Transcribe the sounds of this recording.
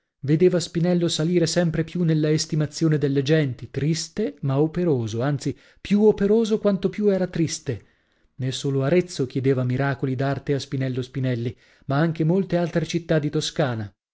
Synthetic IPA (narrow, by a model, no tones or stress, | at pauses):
ved̪eːvaspinɛlːosaliːɾesɛmpɾepjunelːaest̪imat̪sːjoːned̪elːed͡ʒɛnt̪it̪ɾist̪emaopeɾoːzoant̪si | pjuopeɾoːzokwant̪opjuɛːɾat̪ɾist̪e | nesːoːloaɾet̪sːok̟jed̪eːvamiɾaːkolid̪art̪easpinɛlːospinɛlːi | maaŋk̟emolt̪ealt̪ɾet͡ʃit̪ːad̪ːit̪oskaːna